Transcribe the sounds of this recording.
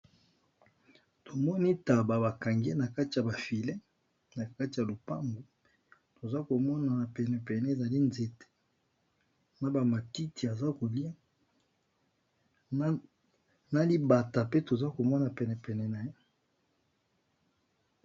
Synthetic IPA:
to˨mɔ˦ni˦ta˨ba˨ba˨ka˨ŋɡe˦na˨ka˦ti˨ja˨ba˨fi˨le˦ | na˨ka˦ti˨ja˨lo˨pa̰˦mbo˨ | to˨za˦ko˨mɔ˦na˨na˨pɛ˨nɛ˨pɛ˨nɛ˦e˨za˨li˦nze˨te̥˦ | na˨ba˨ma˨ti˦ti˨a˨za˦ko˨li˦a˦ | na˦li˦ba˨ta˨pe˦to˨za˦ko˨mɔ˦na˨pɛ˨nɛ˨pɛ˨nɛ˨na˨je˦

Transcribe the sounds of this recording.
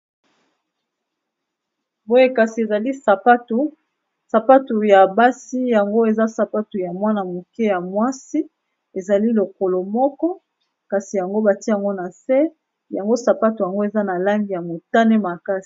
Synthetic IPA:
bo˦je˦ka˨si˨e˨za˨li˦˨a˦tu˨ | sa˨pa˦tu˨ja˨ba˦si˦ja˨ŋɡo˦e˨za˦sa˨pa˦tu˨ja˨mwa˦na˨mo˨ke˦ja˨mwa˦si˦ | e˨za˨li˦lo˨ko˨lo˨mɔ˦kɔ˦ | ka˨si˨ja˨ŋɡo˦ba˨ti˦ja˨ŋɡo˦na˨se˦ | ja˨ŋɡo˦sa˨pa˦tu˨ja˨ŋɡo˦e˨za˦na˨la˦ŋɡi˨ja˨mo˨ta˦ne˦ma˨ka˦si̥˨

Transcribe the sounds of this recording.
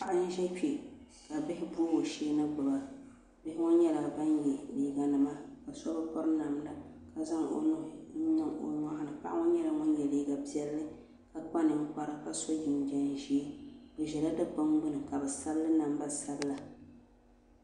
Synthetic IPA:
pa˨ʔa˦n̩˦ʒɛ˦pe˨ | ka˨bɪ˦hɪ˦bu˦o˨ʃeː˦nɨ˦ɡ͡bʊ˨ba˨ | bɪ˦hɪ˦ŋʊ˦ɲɛ˦la˨ba˦njɛ˨liː˦ɡa˨nɨ˨ma˦ka˨sɔ˦bɨ˦pɔ˦ɾɨ˦na˨mda˦ka˨za˦ŋo̰˨nʊ˦˨˦nɨ˦ŋo˨ŋʷa˦ha˦nɨ˨pa̰˦ʔa˦ŋɔ˦ɲɛ˦la˨ŋʊ˦n˦jɛ˨liː˦ɡa˨bi˦ɛ˦lːɨ˦ | ka˨k͡pa˦nɨ˨ŋ̩˦k͡pa˦ɾa˦ka˨so˦d͡ʒɪ˨n˨d͡ʒɛ˦n˦ʒe˦dɨ˨ʒɛ˨la˦dɨ˦ba˦ŋɡ͡bʊ˦nɨ˨ka˨bɛ˨sa˦bɨ˦lɨ˦na˨m˦ba˦sa˦bɨ˦la˨

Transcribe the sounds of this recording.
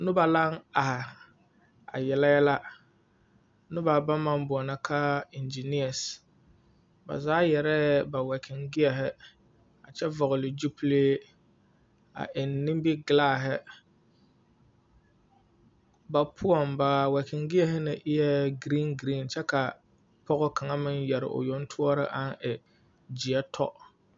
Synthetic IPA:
nʊ˦ba˨la˦ŋa˨hɪ˨ | a̰˨jɛ˨la˦jɛ˦la˦ | nʊ˦ba˨ba˦mːa˦mbʊ˨ɔ˨na˦kʰa˦ɪ˨nd͡ʒi˨ni˦a˨s | ba̰˨zaː˦jɛ˨ɾɛ˦ba˨wɛ˨kʰɪ˨ŋɡɪ˦ɛ˨ɦɪ˦ | a˨t͡ʃɛ˦vɔ˨ɣʊ˨lɪ˨d͡ʒu˦pleː˦ | a̰˨ʔɪ˨nːɪ̃˦m˦bɪ˦ɡɪ˨laː˦˨ɦɪ˦ | ba˨pʰʊ˦ɔ˨mba˨wɛ˨kʰɪ˨ŋɡɪ˦ɛ˨hɪ˦nɪ˨ʔɪ˦jɛ˦ɡɾi˦nɡɾi˦˨nt͡ʃɛ˦ka˨ | pʰɔ˦ɣɔ˦kʰa˨ŋa˦mɪ˦njɛ˨ɾɪ̰˨ʔʊ̰˨jɔ˦n˦tʰʊ˦ɔ˦ɾɪ̰˦ʔa˦nʔɪ˨ | d͡ʒi˨ɛ˦tʰɔ̰˦

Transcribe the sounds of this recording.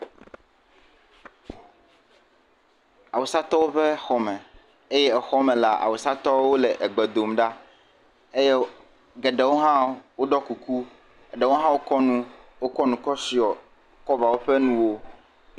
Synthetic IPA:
a˨wo˨sa˦t̪ɔ˦wo˦ɸɛ˦xɔ˨mɛ̃˨ | e˦jɛ˦ɛ˨xɔ˦mɛ̃˨la˨ʔa̰˨wo˨sa˦t̪ɔ˦wo˦lɛ˨ʔɛ˨ɡ͡bɛ˨d̪o˨mɖa˦ | e˦jɛ˦ | ɡɛ˨ɖɛ˨wo˦ɦã˦wo˦ɖɔ˦ku˨ku˦ | ɛ˨ɖɛ˨wo˦ɦã˦wo˦kɔ˦nũ˦wo˦kɔ˦nũ˨kɔ˦si˨ɔ˨ | kɔ˦va˨wo˦ɸɛ˦nũ˦wo˦

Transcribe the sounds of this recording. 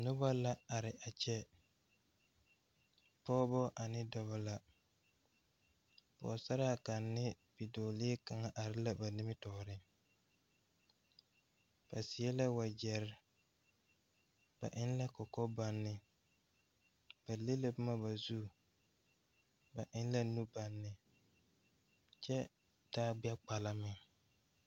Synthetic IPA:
nʊ˦ba˦la˦a˨ɾɪ˨ʔa˨t͡ʃɛ˦ | pɔː˦bɔ˦ʔa˨nɪ˦dɔ˨βɔ˨la˦ | pɔ̰˨sa˦ɾa˦˨ka˨nːɪ˦ | b̥i˨dɔː˨lɪ˦ka˨ŋa˦ʔa˨ɾɪ˦la˦ba˨ni˦mɪ˦tɔː˨ɾɪ˦ | b̥a˨sɪ˨ɛ˦la˦wa˨d͡ʒɛ˨ɾɪ˦ | b̥a̰˨ʔɪ˦n˦la˦kɔ˨kɔ˦ba˨nːɪ˨ | b̥a˨le˦le˦bʊ˦ma˦ba˨zu˦ | ba˨ʔɪ˦n˦la˦nu˦ba˨nːɪ˨ | t͡ʃɛ˦ | taː˦bɪ˦a˦k͡pa˨la˦mɪ˨ŋ

